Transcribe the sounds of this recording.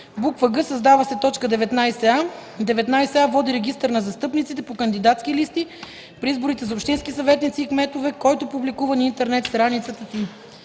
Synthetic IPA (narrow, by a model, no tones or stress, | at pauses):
bukvəɡɤsɐzd̪avəsɛt̪ɔt͡ʃkəd̪ɛvɛt̪najsɛad̪ɛvɛt̪najsɛavɔd̪iɾɛɡ̟ist̪əɾnɐzɐst̪ɤpnit̪sit̪̬ɛpokənd̪id̪at̪skilist̪i | pɾiizboɾit̪ɛzɐopʃt̪inskisɐvɛt̪nit̪siːkmɛt̪ovɛkɔjt̪opublikuvɐnint̪ɛɾnɛt̪st̪ɾanit̪sət̪əsi